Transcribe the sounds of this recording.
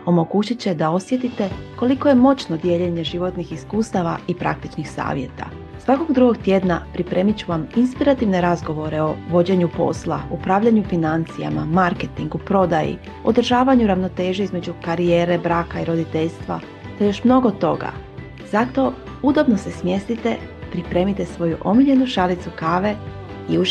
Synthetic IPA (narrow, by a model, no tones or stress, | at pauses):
o̞mo̞ɡut͡ɕit͡ɕe̞d̪ao̞sje̞t̪it̪e̞ko̞liko̞je̞mo̞t͡ɕno̞d̪je̞ʎeɲe̞ʒiʋo̞t̪nixiskuːst̪aʋaipɾa̰k̚t̪it͡ʃnixsa̰ːʋje̞̰t̪a̰ | sʋako̞ɡd̪ɾuɡo̞ɡt̪je̞d̪napɾipɾe̞mit͡ɕuʋaminspiɾat̪iʋne̞ɾazɡo̞ʋo̞ɾe̞o̞ʋo̞d͡ʑe̞ɲupo̞̰slˠa̰upɾaːʋʎaɲufinant̪sija̰ma̰maɾke̞t̪iŋɡupɾo̞d̪ajḭ | o̞̰d̪ɾ̩ʒaːʋaɲuɾaʋno̞t̪e̞ːʒeizme̞d͡ʑukaɾijeːɾe̞bɾaːkaiɾo̞d̪it̪e̞ʎst̪ʋa̰ | t̪ajo̞ʃmno̞ɡo̞t̪o̞ɡa̰ | z̥at̪o̞ | ud̪o̞bno̞se̞smje̞st̪it̪e̞pɾipɾe̞ːmit̪e̞sʋo̞juʔo̞miʎe̞nuʃalit̪sukaːʋe̞ | iu